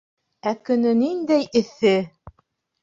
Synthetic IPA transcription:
ækɵ̆nɘnind̪æjɘ̆θɘ

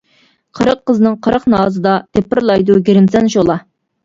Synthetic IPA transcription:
qʰəɾəqːəznɨŋqʰəɾəqnɑːzɨd̪ɑt̪ʰepːɪɾlˠɑjd̪uɡʲeɾɪmsɛnʃolˠɑ

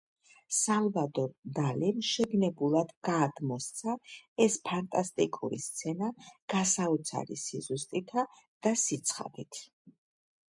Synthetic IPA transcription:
samvad̪ɔd̪alimʃɛɡnɛbulˠad̪ɡaːd̪mɔst̪sʰaɛspʰant̪ʼast̪ʼikʼṵɾḭst̪sʰɛnaɡ̥asaut̪sʰa̰ɾḭsizust̪ʼit̪ʰa | d̪̥asit̪sʰχa̰d̪it̪ʰ

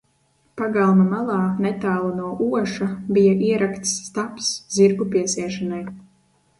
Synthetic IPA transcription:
paɡalˠmamalˠɑːnɛt̪aːlˠunuɔʔuɔʃabijaʔiɛɾakt̪sːt̪apsz̥iɾɡupiɛsiɛʃanaj

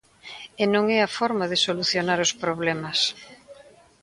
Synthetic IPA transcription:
enõŋɛafɔɾmaðɪsoluθjonaɾospɾoβ̞lɛmɐs

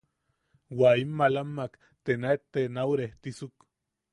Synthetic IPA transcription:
waimːalamːak | t̪enaet̪ːenawɾeht̪isuk

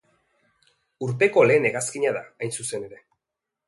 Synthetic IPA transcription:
uɾt̪e̞ko̞le̞ːne̞ɣaskiɲaðaajnsuse̞ne̞ɾe̞

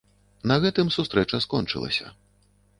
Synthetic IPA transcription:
nɐɣɛt̪ɨmsust̪ɾɛt͡ʂɐskɔnt͡ʂɨ̰lˠɐ̰sʲɐ̰

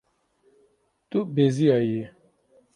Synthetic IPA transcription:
tubeziaje

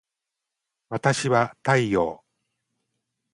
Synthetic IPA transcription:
βat̪aɕiβat̪aijo̰ː

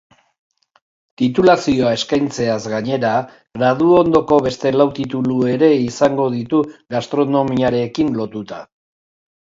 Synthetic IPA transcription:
t̪it̪ulasio̞ae̞skajnt͡se̞azɣaɲe̞ɾa | ɣɾað̞uo̞nd̪o̞ko̞βe̞st̪e̞lawt̪it̪ulue̞ɾe̞isaŋɡo̞ðit̪uɣast̪ɾo̞no̞miaɾe̞kinlo̞t̪ut̪a

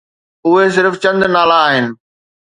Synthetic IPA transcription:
ʊɦes̬ɪɾft͡ɕɐ̃nd̪naːlaːɦɪnɪ̆

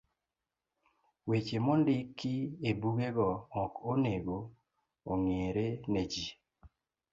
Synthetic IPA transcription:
wet͡ʃemɔndɪkːɪebuɡeɡɔɔkoneɡo | oŋeɾened͡ʒi

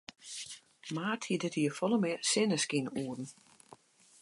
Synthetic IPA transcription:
maːtʰidɪtiəfɔlˠəmɪsɪnəskinuːdn̩

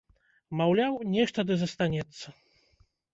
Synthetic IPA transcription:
mawlʲawnʲɛʂt̪ɐd̪ɨzɐst̪anʲɛt̪sːɐ

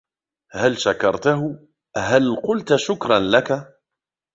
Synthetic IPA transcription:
halʃakɑɾˤt̪aɦʊ | ɦalqʊlt̪ʃʊkɾˤɑnlaka

